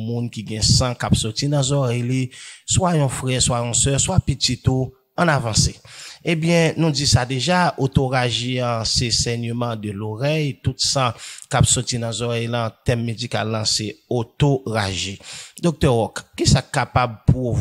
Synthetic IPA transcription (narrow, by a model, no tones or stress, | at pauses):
mũnkiɡɛ̃sãkapsɔtinãzɔʁɛjliswajɔ̃fʁɛswajɔ̃sœʁswapitit̪u | ɐ̃navɑ̃seebjɛ̃nũd͡zisad̪eʒaot̪oʁaʒeãsesɛɲəmãd̪əloʁɛjt̪ut̪sãkapsɔtinãzɔʁɛjlãt̪ɛmːed͡zika̰lːãseot̪oʁaʒed̪ok̚t̪ɛʁɔkːisakkːapab̚pov